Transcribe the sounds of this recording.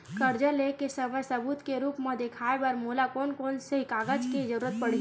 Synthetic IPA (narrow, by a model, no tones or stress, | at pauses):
kəɾd͡ʒəlekesəməjsəbut̪keɾuːpmə̃d̪ekʰaebəɾmoːlakoːnkoːnsəɦikaɡəd͡ʒked͡ʒəɾuːɾət̪̚pəɽ̤i